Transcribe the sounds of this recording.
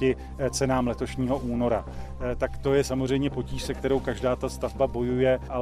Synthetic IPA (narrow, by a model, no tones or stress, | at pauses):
ɪ | t͡sɛnaːmlɛt̪o̞ʃɲiːɦo̞ʔuːno̞ɾa | t̪akt̪o̞jɛsamozr̝ɛjmɲɛpo̞ciːʃsɛkt̪ɛɾo̞wkaʒdaːt̪ast̪avbabo̞jujɛʔa